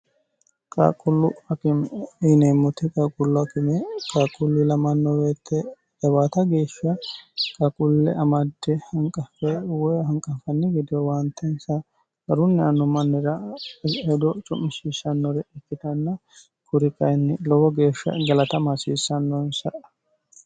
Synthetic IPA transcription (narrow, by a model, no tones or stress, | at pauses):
kʼa̰ːkʼʊlːʊɐkɪmineːmːʊt̪ɪkʼakʼʊlːʊɐkɪmɛkʼaːkʼʊlːɪlɐmɐnːɔweːt̪ːɛ | ɛbaːt̪ɐɡe̞ːʃːɐkʼɐkʼʊlːɛ̰ɐmɐd̪ːɛhɐŋkʼɐfɛwɔjhɐŋkʼːɐfɐnːɪɡɛd̪ɪjɔwant̪ːɛnsɐ | ɡɐɾʊnːɛɐnːɔmɐnːɪɾɐhɛd̪ɔt͡ʃʼʊmːɪʃiːsɐnːɔɾɛʔɛkːɪt̪ɐnːɐ | kʰʊɾɪkɐjnːɪlɔwɔɡe̞ːʃːɐ̰ɡɐlɐt̪ɐmɐsiːsːɐnːɔnsɐʔ